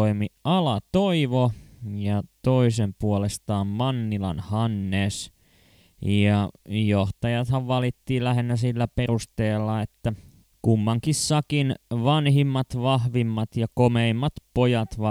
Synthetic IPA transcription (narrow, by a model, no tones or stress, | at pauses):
oimiɑlɑt̪oiʋojɑt̪oisempuolest̪ɑːmmɑnːilɑ̰nhɑnːes | jɑjoht̪ɑjɑt̪hɑʋʋɑlit̪ːiːlæhenːæsilːæperust̪eːlːɑet̪ːæ | kumːɑŋkissɑkinʋɑnhimːɑt̪ʋɑhʋimːɑt̪jɑkomeimːɑt̪pojɑt̪ʋɑ